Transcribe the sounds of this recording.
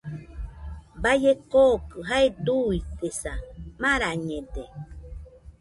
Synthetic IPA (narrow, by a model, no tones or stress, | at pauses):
bajekokɯɦaed̪uit̪esamãɾaɲẽde